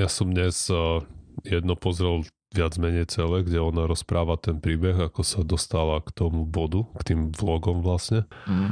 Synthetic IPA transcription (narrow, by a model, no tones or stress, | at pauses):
jasɔmd̪ɲɛz̥ | jɛd̪nɔpɔzɾɛl | ʋɪad͡zmɛɲɛjt͡sɛlɛɡɟɛɔnaɾɔspɾʔaːʋat̪ɛnpɾiːbɛɣakɔsad̪ɔst̪alakt̪ɔmubɔd̪ukt̪iːmvlɔɡɔmʋlasɲɛ